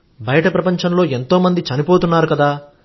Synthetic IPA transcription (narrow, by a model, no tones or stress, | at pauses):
bɐjɐʈɐpɾɐpɐɲt͡ʃɐmloːe̞nt̪o̞ːmɐnd̪it͡ʃɐnipo̞ːt̪unːaːɾukɐd̪aː